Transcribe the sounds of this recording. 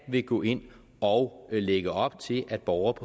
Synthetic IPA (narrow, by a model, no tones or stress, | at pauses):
ʋe̝ɡ̥ɔ̰̽ːe̝n̰ | ɒ̽ʊleɡ̥əɒ̽b̥t͡sʰe̝lʔæd̥̚b̥ɒʊɐpʰɒ